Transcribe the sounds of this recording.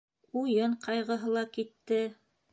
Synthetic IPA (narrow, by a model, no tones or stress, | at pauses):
ujɤɴqɑjʁɤ̆ɦɤlˠɑkit̪ːɘ